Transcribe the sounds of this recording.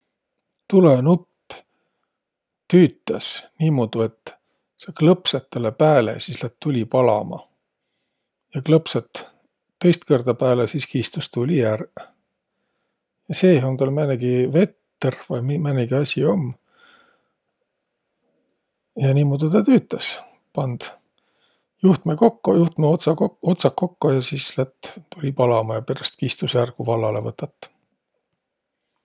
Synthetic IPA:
t̪ulenupːˑ | t̪yːt̪ːˑɑsniːmod̪̥ue̞t̪ː | seklɤpset̪ːelepæːlḛsislæt̪ːulʲipɑlɑ̰mɑ̰ | jɑklɤpset̪ː | ɤjst̪kord̪̥ɑpæːlesiskiːst̪ust̪ulʲijær | jɑseːont̪ɑlmæneɡ̥ive̞t̪ː | ervɑjmimæneɡiɑsʲio̞mː | jɑniːmud̪et̪ɑt̪yːt̪ːˑɑs | pɑnd̪̥ | juht̪mekokːojuht̪met̪sɑo̞t̪sɑkːo̞kːojɑsislæt̪ːt̪ulʲipɑlɑmɑjɑpeɾɑst̪̚kiːst̪usærɡ̥uvɑlːɑle̞̰vɤt̪ːɑt̪ːˑ

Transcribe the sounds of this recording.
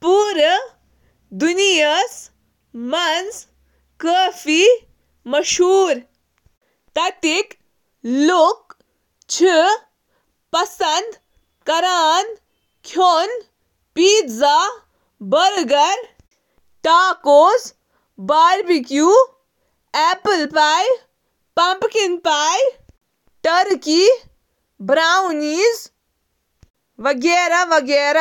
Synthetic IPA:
puːɾ | d̪unijɐs | mɐns | kəːfi | mɐʃuːɾ | t̪ɐt̪ik | luk̚ | t͡ʃʰi | pɐsɐnd̪ | kɐɾaːn | kʰjon | piːt̪za | bɐɾɡɐɾ | ʈaːkoːs | baːɾbikjuː | ɛːpəlpaːj | pɐ̃mpkinpaːj | ʈɐɾki | bɾaːwniːz | ʋɐɡeːɾaʋɐɡeːɾa

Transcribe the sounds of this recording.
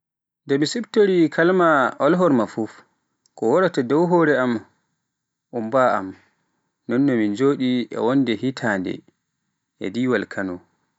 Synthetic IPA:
ndɛmisibtoɾikʰalmaɔlɦɔɾmafuf | kɔwɔɾatadɔwɦɔɾɛam | ʔumbaam | nɔnːɔmind͡ʒoːɗiʔɛ̰wɔndɛɦitʰandɛ̰ | ʔɛ̰diwalkʰanɔ

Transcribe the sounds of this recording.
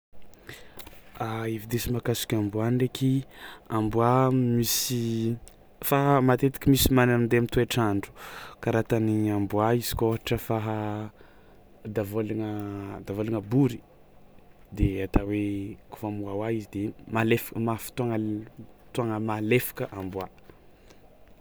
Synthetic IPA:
aivid̪esimakasi̥kʲambuanrekiambuamisi | faɦmat̪et̪i̥kʲimisimanannd̪eamit̪ueʈ͡ʂaɳɖ͡ʐu̥kaɾat̪aniambuaizi̥koɦaʈ͡ʂəfaɦa | d̪avolaŋəd̪avolaŋəbuɾi̥ | d̪eat̪aweku̥famuawaizid̪emalefḁkəmafi̥t̪uaŋət̪uaŋəmalefḁkəʔambwa

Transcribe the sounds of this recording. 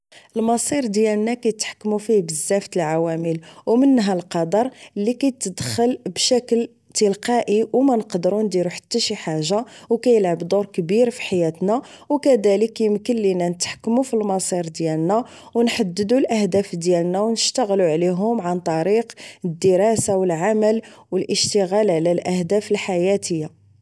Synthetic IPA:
əlmɑsˤiɾd̪jælnækæjt̪ħkːmufibəzːæft̪əlʕawæməlwmənːɦælqɑd̪ɑɾˤəlːikæjt̪ːəd̪xəlbʃækəl | t̪əlqɑʔiwmænəqd̪əɾund̪iɾuħḁt̪ːæʃiħaʒːawkæjəlʕabd̪uɾkbiɾfi̥ħajæt̪næ | wkæd̪æləkjəmkənːinænət̪ħkːmufilmɑsˤiɾd̪jælnæ | wnħad̪ːəd̪ulʔəhd̪æfd̪jælnæwnəʃt̪əɣluʕliɦʊmʕant̪ˤɑɾiqəd̪ːəɾˤɑsawəlʕaməlwəlʔəʃt̪əɣælʕlælʔæhd̪æfəlħajæt̪əjːa

